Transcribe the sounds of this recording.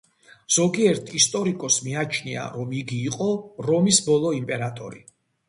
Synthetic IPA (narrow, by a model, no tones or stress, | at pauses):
z̥ɔɡiɛɾt̪ʰist̪ʼɔɾikʼɔsmiat͡ʃʰnia̰ɾɔmiɡiːqʼɔɾɔmisbɔlˠɔimpʼɛɾat̪ʼɔ̰ɾḭ